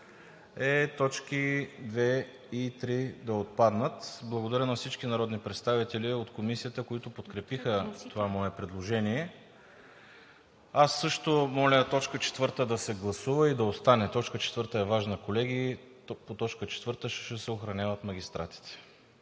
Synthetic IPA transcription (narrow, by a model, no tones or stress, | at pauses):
ɛt̪ɔt͡ʃkid̪vɛ | it̪ɾid̪ɐot̪̚pad̪nət̪blˠɐɡod̪ɐɾənɐfsit͡ʃkinɐɾɔd̪nipɾɛt̪st̪avit̪ɛliot̪komisijət̪əkoit̪ʊpot̪kɾɛpixət̪ovamɔɛpɾɛd̪lˠoʒɛniɛ | asːɤʃt̪omɔlʲət̪ɔt͡ʃkət͡ʃɛ̥t̪vɤɾt̪əd̪ɐsɛɡlˠɐsuvəid̪ɐost̪anɛt̪ɔt͡ʃkət͡ʃɛt̪vəɾt̪əɛvaʒnəkolɛɡi | pot̪ɔt͡ʃkət͡ʃɛ̥t̪vɤɾt̪əʃʃɛsɛoxɾɐnʲavət̪mɐɡ̟ʲist̪ɾʔa̰t̪i̥t̪ɛ̥